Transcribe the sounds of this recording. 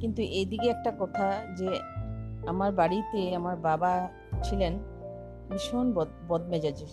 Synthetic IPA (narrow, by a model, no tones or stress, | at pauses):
kint̪uʔejd̪ikeɛk̚ʈakɔt̪ʰad͡ʑe | amaɾbaɽit̪eamaɾbaba | t͡ɕʰilen | biʃonbɔd̪bɔd̪̚mɛd͡ʑad͡ʑi